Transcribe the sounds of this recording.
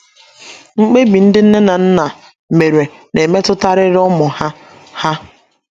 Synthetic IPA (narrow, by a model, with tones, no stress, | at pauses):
ŋ͡m̩˦k͡pe˦bi˨n̩˦dɪ˦n̩˦ne˦na˨n̩˦na˨ | me˨ɾe˨ | ne˨me˦tʊ˦ta˦ɾɪ˦ɾɔ˦mʊ˨ha˦ | ha˦